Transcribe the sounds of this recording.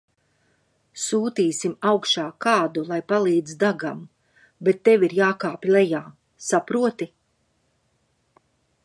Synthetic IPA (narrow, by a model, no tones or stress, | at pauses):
suːt̪iːsimawkʃaːkaːd̪ulˠajpalˠiːd̪zd̪aɡam | bet̪ːeʋiɾjaːkaːpʲlˠɛjaː | sapɾuɔt̪i